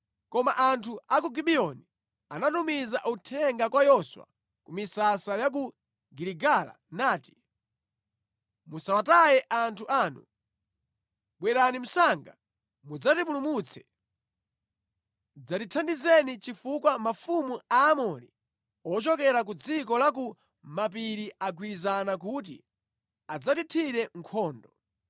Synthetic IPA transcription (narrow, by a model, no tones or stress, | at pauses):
kɔmaʔantʰuʔak̬uɡiɓiɔni | anatumizaʔutʰɛŋɡakwajɔswa̰ | kumisasajak̬u | ɡiɾiɡala̰naːti̥ | musawatajɛʔantʰuʔaːnṵ | ɓwɛɾanim̩saŋɡa | mud͡zatipulumut͡sʰɛ̥̰ | d͡zatitʰandizɛnit͡ʃifukwamafumuaːmɔni | ɔt͡ʃɔkɛɾak̬ud͡zikɔlak̬u | map̬iɾiak̬wizanak̬ut̬ḭ | ad͡zatitʰiɾɛŋkʰɔːndɔ